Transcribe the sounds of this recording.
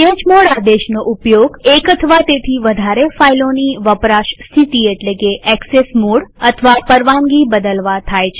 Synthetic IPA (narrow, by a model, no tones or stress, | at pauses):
t̪ed͡ʒmoɽad̪eʃnoʔupjoɡekət̪ʰəʋat̪et̪ʰiʋəd̪ʱaɾefailoniʋəpɾaʃst̪ʰit̪ieʈlekeʔɛksesmoɽət̪ʰəʋapəɾʋaŋɡibəd̪əlʋat̪ʰajt͡ʃʰe